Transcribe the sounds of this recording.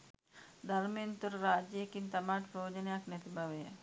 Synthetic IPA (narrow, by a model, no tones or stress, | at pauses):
d̪ʱaɾmejent̪uɾɾaːd͡ʒəjekint̪amaːʈpɾoːd͡ʒənejaknɛt̪ibaʋejə